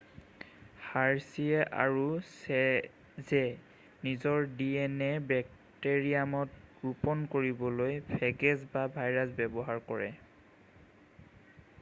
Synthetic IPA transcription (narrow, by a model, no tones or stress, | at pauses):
haɹsiɛʔa̰ɹusɛ | zɛ | nizɔɹdiɛnɛbɛk̚ | teɹiamɔtɹupɔnkoɹibɔlojbʰʱɛɡɛzbabʱajɹasbɛbɔɦaɹkɔɹɛ